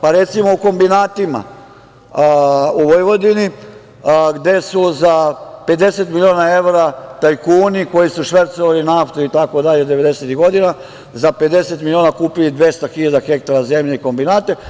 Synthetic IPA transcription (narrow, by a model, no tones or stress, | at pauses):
paɾe̞t̪simo̞uko̞mbinaːt̪ima̰ | uʋojʋo̞d̪ini | ɡd̪e̞suzape̞d̪e̞set̪milʲioːnae̞ʋɾat̪ajkuːniko̞jisuʃʋeɾt̪soʋalinaft̪oit̪ako̞d̪aʎed̪eʋe̞d̪e̞set̪iɡo̞d̪ina | zape̞d̪e̞set̪milioːnakuːpilid̪ʋe̞st̪axiʎad̪axe̞k̚t̪aɾazemʎeiko̞mbinaːt̪e̞